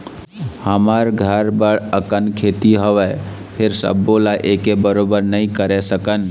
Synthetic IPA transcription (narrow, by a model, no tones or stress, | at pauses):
həməɾɡʱəɾbəɽəkənkʰet̪iɦoʋɛ | pʰeɾsə̰bːolaʔekebəɾobəɾnəĩkəɾɛsəkən